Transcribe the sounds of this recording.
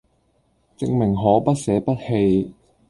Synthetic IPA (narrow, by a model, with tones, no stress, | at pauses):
t͡sɪ˧ŋmɪ˨˩ŋɦɔː˨˥pɐ˥t̚sɛː˨˧˥pɐ˥t̚he˧j